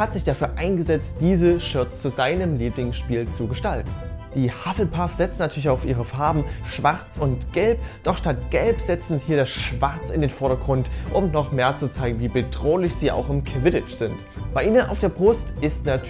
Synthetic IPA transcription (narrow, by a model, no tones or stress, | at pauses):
hatz̥ɪçd̥afyːɐʔaɪnɡəzɛt͡std̥iːzəʃʏɐtst͡suzaɪnəmliːplɪɡŋsʃpiːlt͡suɡəʃtaltn̩d̥iːhafl̩pʰafz̥ɛt͡snatʰyɐlɪçaʊfʔiːʁ̞əfaɐbm̩ʃv̥aʁt͡sʊntɡ̥ɛlpd̥ɔχʃtatɡ̥ɛlpz̥ɛt͡sn̩zihiːɐdasʃv̥aʁt͡sɪndeːnfɔɐɾɐɡʁʊntʔʊmnɔχmeːɐt͡sut͡saɪɡŋ̩viːbədʁoːlɪçz̥iːa̰ʊxɪmkʰɪvɪdɪt͡ʃz̥ɪnt | b̥aɪʔiːnəna̰ʊfd̥eːɐbʁʊstɪstnatʰ